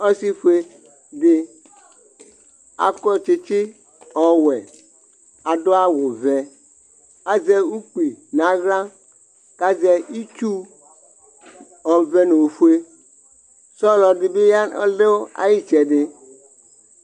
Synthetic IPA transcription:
ɔ˦si˦fu˦e˦ | ɖe˦ | a̰˨kɔ˦t͡ʃe˦t͡ʃɪ˦ | ɔ˨wɛ˨ | a˨do˦a˦wo˨vɛ˨ | a˦zɛ˦u˦k͡pi˨nã˨˦ɣlã˦ | ka˦zɛ˦i˦t͡ʃu˦ | ɔ˨vɛ˦no˨wfu˦e˦ | sɔ˦lɔ˨ɖɪ˨be˦ja˦ɔ̰˦le˦wo˦a̰˨ji˦t͡ʃɛ˨ɖɪ˦

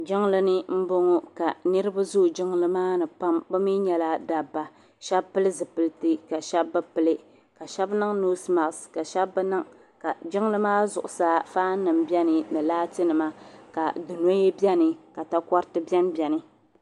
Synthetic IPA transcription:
d͡ʒɪ˦ŋlɨ˦nɨ˦m̩˦bʊ˦ŋɔ˦ka˨nɨ˦ɾɨ˦ba˦zu˦˨d͡ʒɪ˦ŋ˦lɨ˦maː˦nɨ˨pa˦mbɨ˦mi˦ɲɛ˨la˦da˨bːa˨ | ʃɛ˦bpɨ˦lɨ˦zɨ˨pɨ˨ltɨ˦ka˨ʃɛ˦bːɨ˦pɨ˦lɨ˦ | ka˨ʃɛ˦bnɨ˦ŋnu˦sma˨ʔska˨ʃɛ˦bːɨ˦nɨ˦ŋ | ka˨d͡ʒɪ˦ŋ˦lɨ˦maː˦zʊ˨ʔʊ˨sa˦faː˦nɨ˨mbjɛ˦nɨ˨nɨ˨laː˦tɨ˦nɨ˨ma˦ka̰˨dɨ˨no˦e˦bɛ˦nɨ˨ka˨ta˦kɔ˦ɾtɨ˦bɛ˦nbjɛ˨nɨ˨

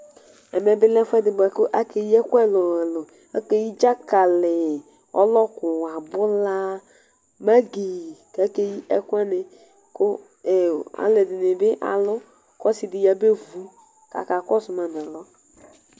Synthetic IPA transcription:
ɛ˨mɛ̃˨bɪ˦lɛ˦fʷɛ˦dɪ˨bɛ˨kʊ˦ʔa˦ke˨ji˦ɛ˦kʷɛ˦˨lɔ˨ɛ˨lʊ˨ | a˦ke˦ji˦d͡ʒa˦ka˨lɪ˨ | ɔ̰˦lɔ˦kʊ˨wa˨bʊ˦la˦ | ma˦ɡe˨ka˦ke˦ji˦ʔɛ˦kʷɛ˦nɪ˨ | kʊ˦˨ | a̰˨lɪ˨dɪ˨nɪ˨bɪ˦ʔa̰˨lʊ˦ | kɔ˦si˨dɪ˨ja˨be˦vu˦ | ka̰˨ka˨kɔ˦sʊ˨ma˨n˨ɛ˨lɔ˦

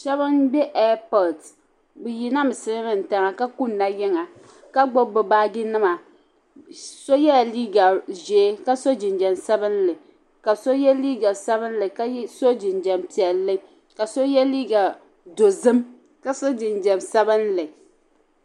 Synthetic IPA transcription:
ʃɛ˦βɨ˦nbɛ˦ʔɛ˦pɔ˨ld | bɨ˨ji˦na˦mɨ˨sɨ˦ɾɨ˦mɨ˦n̩˨ta˨ŋa˨ka˦ku˦n̩ː˦a˦jɛ˦ŋa˨ | ka˦ɡ͡bo˦bɨ˨baː˦ɡɪ˦nɨ˦ma˨ | so˦jɛ˦a˨liː˦ɡa˨ʒeː˨˦ka˦so˦d͡ʒɪ˨nd͡ʒɛ˨msɛ˦bɨ˦nlɨ˨ | ka˨so˦jɛ˦liː˦ɡa˨sɛ˦bɨ˦n˦lɨ˨ka˦so˦d͡ʒɪ˨nd͡ʒɛ˨mpi˨ɛ˨lːɨ˦ | ka˨so˦jɛ˦liː˦ɡa˨ | do˨zɨ˦m | ka˨˦so˦d͡ʒɪ˨nd͡ʒɛ˨msɛ˦bɨ˦nlɨ˨

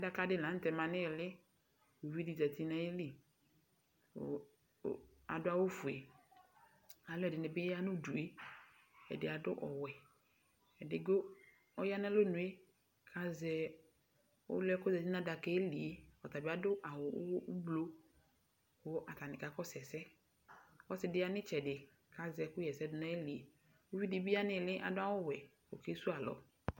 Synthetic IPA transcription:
a˦da˦ka˦dɪ˦˨lã˨˦t̪ɛ˨mã˨nɪ˦˨lɪ˦ | wu˨vi˦di˨d͡ʒa˨t̪i˦na˦e˦li˦˨ | a̰˨dʊ˦a˦wʊ˦fu˨e˨ | a˨lʊ˦ɛ˨dɪ˨nɪ˨bɪ˦ja˦nʊ̃˦du˨e˦ | ɛ̰˨dɪ˨a˨dʊ̰˦ʔɔ̰˨wɛ˨ | ɛ˨dɪ˨ɡo˦ | ɔ˦ja˦nã˦lo˦nʊ̃˨e˦ | kʰa˨zɛ˨ | ʊ̰˦lɛ˦kɔ˦zɛ˨si˦nã˦da˨kɛ˦e˦li˨e˦ɔ˨ta˨bɪ˨˦a˦dʊ˦ʔa˨wʊ̰˨˦wʔʊ˦blo˦ | kʊ˦ʔa˨ta˨nɪ̃˨ka˨kɔ˦sɛ˨sɛ˦ | ɔ˦sɪ˨dɪ˦a˦nɪ˦t͡ʃɛ˨dɪ˨ | ka˨zɛ˨kʊ˦jɛ˨sɛ˦dʊ˨na˦e˦li˨e˨ | o˦wi˦dɪ˦bi˦a˦nɪ̃˦˨lɪ˦ʔa̰˨dʊ˦a˦wʊ˦wɛ˨ | o̰˨ke˦su˦a˨lɔ̰˨

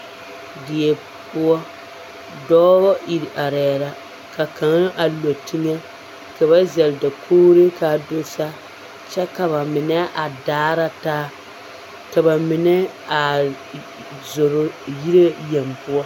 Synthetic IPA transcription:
dɪ˨ɛ˨ | pʊ˦ɔ˦ | dɔː˦ɣɔ˦i˨ɾa˨ɾɛː˨˦ɾa˨ | ka˨ka˨ŋ˦ʔa˨lo˨tɪ˦ŋɛ˦ | ka˨ba˦zɛ˨lda˨kʰoː˦ɾe˦ka˨do˦sa˦ | t͡ʃɛ˦ka˨βa˨mɪ˨nɛ˦ʔa˨daː˦ɾa˦taː˦ | ka˨ba˨mɪ˨nɛ˦ | a˨ | zo˨ɾo˦ji˦ɾe˦jɛ˨mpʊ˦ɔ˦

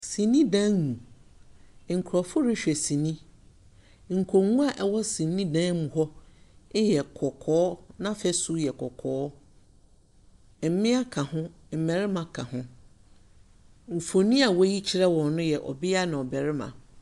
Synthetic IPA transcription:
sĩ˨nĩ˦dã˦ŋnũ˨ | ŋ̩˨kʰɾɔ˨fʊ˦ɾɪ˦ɕᶣɛ˨sĩ˨nĩ˦ | ŋ̩˨kʰo˨ŋũ˦a˨ʔɛ˨wɔ˦sĩ˨nĩ˦dãː˦mũ˨ɦɔ˦ɪ˦jɛ˨kʰɔ˨kʰɔː˨˦nã˦fɛ˦su˦jɛ˨kʰɔ˨kʰɔː˦ | m̩˨mɪ̃˦a˦kʰã˨hʊ̃˦ | m̩˨mɛ̃˨ɾɪ˦mã˨kʰã˨hʊ̃˦ | m̩˨fo˨nĩ˦a˨wɔ˦ji˦t͡ɕʰi˦ɾɛ˦wɔ̃˨nnʊ̃˦jɛ˨ʔɔ̰˨bɪ˦a˦nã˨ɔ˨bɛ˨ɾɪ˦mã̰˨

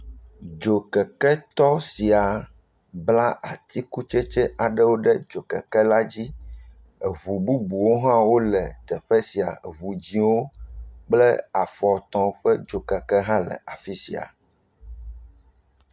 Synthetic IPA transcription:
d͡ʒo˨kɛ˨kɛ˦t̪ɔ˦si˨a˨ | bla˦ʔa˨t̪i˦ku˦t͡ʃɛ˦t͡ʃɛ˦ʔa˨ɖɛ˦wo˦ɖɛ˦d͡ʒo˨kɛ̰˨kɛ˦la˦d͡ʑi˦ | ɛ˨βu˨bu˦bu˨wo˦ɦã˦wo˦lɛ˨t̪ɛ˨ɸɛ˦si˨a̰˨βu˨d͡ʑĩ˦wo˦k͡plɛ˦a˨fɔ˨t̪ɔ̃˦ɸɛ˦d͡ʒo˨kɛ˨kɛ˦ɦã˦lɛ̰˨ʔa˨fi˦si˨a̰˨

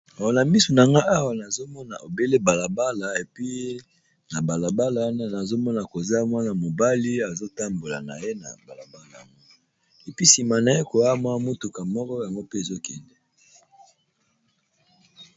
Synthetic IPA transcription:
a˨wa˨na˨mi˦su˨na˨ŋɡa˦a˦wa˨na˨zo˦mɔ˦na̰˨ʔo˨be˦le˦ba˨la˨ba˦la˨e˨pi˦ | na˨ba˨la˨ba˦la˨wa˦na˦na˨zo˦mɔ˦na˨ko˨za˦mwa˦na˨mo˨ba˦li˦a˨zo˦ta˦mbo˨la̰˨na̰˨je˦na̰˨ba˨la˨ba˦la˨ja̰˨ŋɡo˦ | e˨pi˦si˨ma˨na˨je˦ko˨ja˦mwa˦mo˦tu˨ka˨mɔ˦kɔ˦ja˨ŋɡo˦pe˦e˨zo˦kɛ˨ndɛ˦

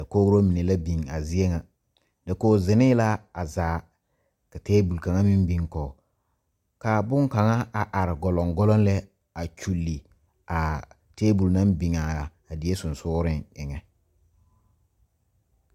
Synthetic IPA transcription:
dɛ˨ko˦ɾo˦mi˨ne˨la˦bi˨ŋa˨zɪ˦e˦ŋa˨ | dɛ˨koː˦zɪ˨nɪ˦la˦a˨zaː˨˦ | ka˨teː˦bu˨lka˨ŋa˦mi˦mbi˨ŋkɔː˨ | ka˨bʊ˦ŋka˨ŋa˦a˨ʔa˨ɾɪ˨ɡɔ˨lɔ˨ŋɡɔ˦lɔ˦n˦lɛ˦ | a˨t͡ʃu˨lːi˨ | a˨ | teː˦bu˨lna˦mbi˨ŋa˨ | a˨dɪ˨e˦sʊ˨nsʊː˦ɾɪ˦ŋɪ˨ŋɛ˨

